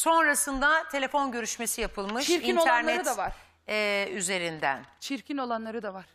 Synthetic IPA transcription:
so̞nɾasɯnd̪at̪ʰe̞lʲe̞fo̞nɟø̞ɾyʃme̞sijapʰɯlˠmɯʃiɾiinoaæɾnɛɾɯtd̪avaɾ | ɛyze̞ɾind̪æ̰nt͡ʃʰiɾcʰino̞lˠanlˠaɾɯd̪avaɾ̥

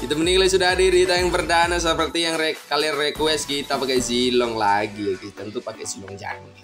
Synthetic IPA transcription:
kit̪aməniklas̬udaɦadiɾiit̪ajaŋpərdanas̬əpərt̪ijaŋrealirːekuɛskit̪apakɛjzilɔŋlaɡiakit̪ənt̪upakɛsimɔŋd͡ʒa̰ŋi

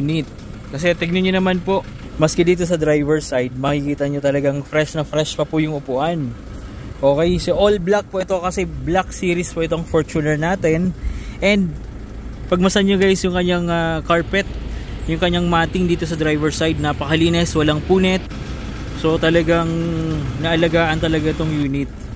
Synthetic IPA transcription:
nit̪̚ | kɐs̬ɛt̪ɪɡ̚nɐɲonɐmanpo̞ʔmɐskɛd̪iːt̪̬o̞s̬ɐd̪ɾajvɛɹsajd̪̚mɐkɪkiːt̪ɐɲot̪ɐlɐɡaŋfɾɛʃnɐfɾɛʃpɐpʊjʊŋʔʊpuːʔɐn | ʔo̞ːkɛjsɛʔolblak̚poʔɪt̪o̞kɐsɛblak̚siːɾɪspoʔɪt̪oŋfoɹt͡ʃunɛɹnaːt̪ɛnʔɛnd̪̚ | pɐɡ̚mɐsɐɲɲoɡajsjʊŋkɐɲaŋakaɹpɛt̪̚jʊŋkɐɲːaŋmaːt̪ɪŋd̪iːt̪o̞sɐd̪ɾajvɛɹsajd̪̚nɐpɐkɐliːnɛswɐlaŋpuːnɛt̪̚ | so̞t̪ɐlɐɡaŋnɐʔɐlɐɡaːʔɐnt̪ɐlɐɡaʔɪt̪o̞ŋjuːnɪt̪̚

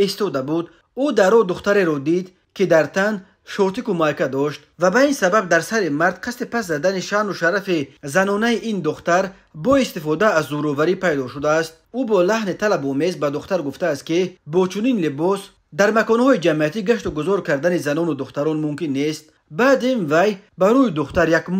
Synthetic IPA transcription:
ist̪ɔd̪abud̪ | ud̪aɾɔd̪uχt̪aɾe̞ɾɔd̪id̪ | kʰid̪aɾt̪ʰan | ʃɔt̪ikumalkad̪ɔʃt̪vabainsabab̚d̪aɾsaɾimaɾd̪̥̚qʰast̪ipas̬zad̪aniʃanuʃaɾafizanɔnaiʔind̪uχt̪aɾ | bɔist̪ifɔd̪aːzːuɾɔvaɾipʰajd̪ɔʃud̪aːst̪̚ubɔlaɦnit̪ʰalabume̞zbad̪uχt̪aɾɡuft̪aːst̪̚kibɔt͡ʃʰuninlibɔs | d̪aɾmakɔnhɔid͡ʒamiat̪iɡaʃt̪uɡuzɔɾkaɾd̪anizanɔnud̪uχt̪aɾɔnmumkinːe̞st̪ | baːd̪invajbaɾuid̪uχt̪aɾjak

